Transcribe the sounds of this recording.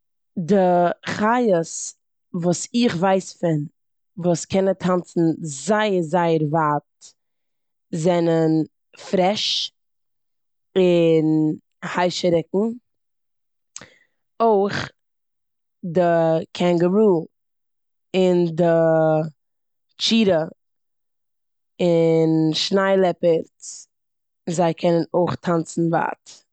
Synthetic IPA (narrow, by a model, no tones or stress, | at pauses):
dɪχajəs | vuːsɪχvaɪsfɪn | vuːskʰɛnətʰant͡sn̩zaɪəɾzaɪəɾvat | zɛnən | fɾɛʃ | ɪn | haɪʃəɾɪkŋ̩ | oɪχ | dɪkʰɛŋɡəmuː | ɪndɪ | t͡ʃiːɾə | ɪnʃnaɪlˠɛpəɾt | zaɪkʰɛnənoɪχtʰant͡sn̩va̰ːt